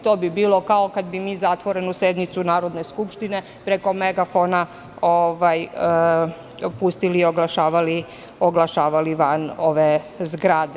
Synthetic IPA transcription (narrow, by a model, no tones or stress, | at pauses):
t̪oːbibiːlˠo̞kaokad̪bimiːzat̪ʋo̞ɾe̞nused̪nit̪sunaːɾo̞d̪neskupʃt̪ine̞ | pɾeko̞meɡafona | oʋaj | pust̪iliːoɡlˠaʃaːʋali | oɡlˠaʃaːʋaliʋano̞ʋezɡɾad̪e